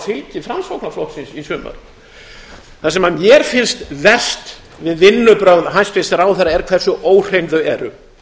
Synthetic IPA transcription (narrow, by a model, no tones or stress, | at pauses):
θɪlcɪfɾansowknaflɔht̪sɪnsisʏːma̰ɾ̥ | θasɛmamjɛɾ̥fɪnst̪vɛr̥st̪ | vɪðvɪnːʏpɾœɣðɦajnst̪fɪst̪ɾawθaɾaɛɾkʰv̥ɛr̥sʏʔoːwr̥ejnðʏɛɾʏ̰